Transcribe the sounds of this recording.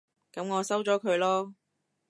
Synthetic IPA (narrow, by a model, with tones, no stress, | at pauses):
kɐ˨˥mŋɔː˨˧sɐ˥wt͡sɔː˨˥kʰɵ˨˧ɥlɔː˥